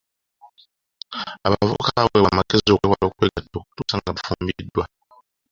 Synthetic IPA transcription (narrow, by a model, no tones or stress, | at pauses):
abavɔ̰kaawɛwamakezowɛwabakweɡatoktusaŋɡabfɔmbidwa